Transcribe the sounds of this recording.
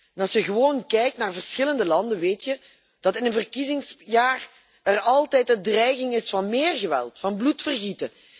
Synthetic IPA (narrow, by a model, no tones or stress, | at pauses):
ɛnɑsjəɣəʋoːnkɛjk̚tnaːrvərsxɪləndəlɑndənʋeːtjə | d̥ɑtɪnənvərkizɪŋsjaːr | ɛrɑlˠtɛjtəndrɛjɣɪŋɪsfɑnmeːrɣəʋɛ̰lˠtfɑnblutfərɣitə